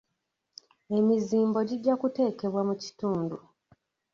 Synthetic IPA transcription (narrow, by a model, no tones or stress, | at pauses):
e̞miziːmbo̞ɟiɟːakute̞ːke̞βwamuci̥tuːndu